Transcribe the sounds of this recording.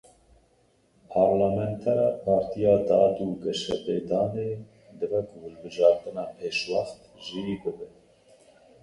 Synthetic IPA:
pʰɑːɾlɑːmɛnt̪ʰɛɾɑːpʰɑːɾt̪ʰijɑːd̪ɑːd̪uːɡɛʃɛ̰beːd̪ɑːneː | d̪ɨvɛkʰʊhʊlbɨʒɑːɾt̪ɨnɑːpʰeːʃwɑxt̪ʒijiːbɨbɛ

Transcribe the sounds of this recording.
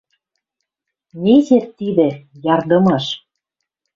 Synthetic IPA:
nʲezet̪ːid̪ĕjɑrd̪ɤ̆mɤʃ

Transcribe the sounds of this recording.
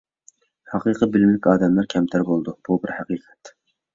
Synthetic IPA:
hɑqʰiqʰəbɪlmlɪkʲɑːd̪ɛmlæɾkʲʰɛmt̪ʰæɾbolˠd̪ub̥ubɪɾhɑqʰiːqʰɛ̥t̪

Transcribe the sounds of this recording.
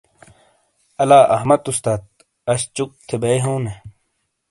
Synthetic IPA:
ɐlaːʔɐhmɐt̪ust̪aːt̪̚ | ɐɕt͡ɕuk̚t̪ʰebɐjɦoːne

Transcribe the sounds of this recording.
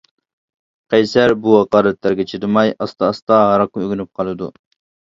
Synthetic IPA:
qʰɑjsæɾbuɑqɑːlɛt̪læɾɡʲɛt͡ʃʰid̪ɪmɑjɑst̪ɑːst̪ɑɦɑɾɑq̚øɡʲynyp̚qʰɑlˠɨd̪ṵ

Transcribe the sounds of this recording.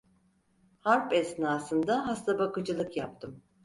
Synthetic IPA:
haɾpɛsnaːsɯnd̪aɦast̪ʰabakɯd͡ʒɯlˠɯkjap̚t̪ʰɯm

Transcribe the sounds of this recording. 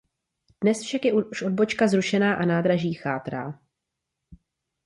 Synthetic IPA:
d̥nɛsfʃakjɛuuʃʔo̞d̚bo̞t͡ʃkazɾuʃɛnaːʔanaːdɾaʒiːxaːt̪ɾa̰ː

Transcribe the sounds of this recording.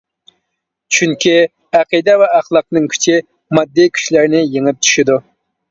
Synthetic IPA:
t͡ʃʰyŋkʲʰi | æqid̪ɛvɛɑχlˠɑq̚nɨŋkʲʰy̥t͡ʃʰi | mɑd̪ːikʲʰy̥ʃlæɾnɪjeŋɪp̚t̪ʰy̥ʃid̪u

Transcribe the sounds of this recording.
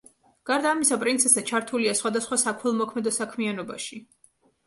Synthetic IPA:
ɡ̥aɾd̪aːmisapʼɾint̪sʰɛsɛt͡ʃʰaɾt̪ʰuliasχwad̪asχwasakʰwɛlˠmɔkʰmɛd̪ɔsakʰmianɔba̰ʃi

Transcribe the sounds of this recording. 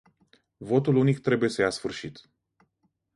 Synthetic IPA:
vo̞t̪ulunikt̪ɾe̞buje̞səjasfɨrʃit̪

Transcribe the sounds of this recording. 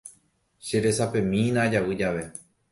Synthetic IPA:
ʃe̞ɾe̞sapẽ̞mĩnãd͡ʒawɨd͡ʒaʋe̞

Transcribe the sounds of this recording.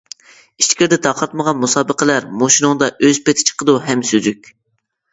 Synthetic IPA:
i̥t͡ʃkʲʰiɾd̪ɛt̪ʰɑqʰɑt̪̚məʁɑnmusɑːbəqʰəlæɾmoʃinʊŋd̪ɑʔøzpet̪ʰɪ̥t͡ʃʰə̥qəd̪uɦɛmsøzykʲ

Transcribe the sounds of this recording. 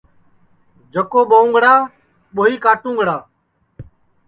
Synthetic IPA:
d͡ʒəkoːɓəũːŋɡɽaː | ɓoːɦiːkaːʈũːŋɡɽaː

